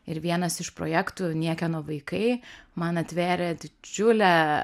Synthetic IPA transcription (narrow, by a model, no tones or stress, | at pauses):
ɪɾʋʲiɛnɐsɪʃpɾo̰ːjæːkt̪uːnʲiɛkʲɛnoːʋɐɪkɐɪmɐnɐt̪ʲʋʲæːɾʲɛd̪ʲɪd͡ʒʲʊlʲæ